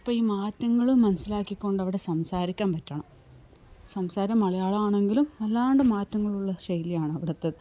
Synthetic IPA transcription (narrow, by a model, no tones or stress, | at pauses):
ipːɐːiːmaːtːɐŋːɐɭɨmːɐnɐsːilaːkːikʲːo̞ɳɖɐʋiɽesɐmsaːɾikʲːaːmpɐtːɐɳɐm | sɐmsaːɾɐmːɐɭɐjaːɭɐaːɳe̞ŋɡilumɐlːaːɳɖɨmaːtːɐŋːɐɭuɭːɐɕɐjlijaːɳɐʋiɽɐt̪ːɐðɨ